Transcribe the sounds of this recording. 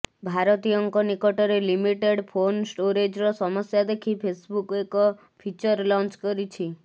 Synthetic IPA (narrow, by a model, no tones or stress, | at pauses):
bʱaɾɔt̪ijɔŋkɔnikɔʈɔɾelimiʈeɽpʰonsʈoɾed͡ʒɾɔsɔmɔsjad̪ekʰipʰesbukekɔ | pʰit͡ʃɔɾlɔ̃nt͡ʃkɔɾit͡ʃʰi